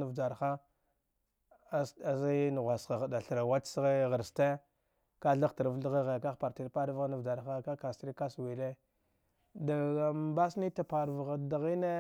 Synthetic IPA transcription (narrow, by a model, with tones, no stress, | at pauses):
nu˦vd͡ʒa˨ɾxa˦ | sa˨za˦n˨ɣʷa˨sa˨ɣda˨ɬɾa˨wa˦tsɣe˦ɣə˨ɾste˦ | ka˦ɬa˦ta˨ɾvɬɣi˦ɣe˨ka˦˨pa˨ɾti˨ɾpa˦ɾvɣa˦na˨vd͡ʒa˨ɾxa˦ka˦ka˨sti˦ɾi˦ka˦swi˨le˦ | da˨ba˦sni˦ta˨pa˨ɾvɣa˨da˨ɣi˦ne˦